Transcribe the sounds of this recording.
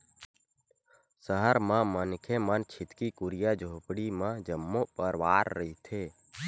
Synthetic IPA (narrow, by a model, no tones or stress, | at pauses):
səɦəɾmãmənkʰemənt͡ʃʰɪt̪kikʊɾijad͡ʒʱoːpɽimãd͡ʒəmːopəɾʋaːɾːəɦit̪ʰeː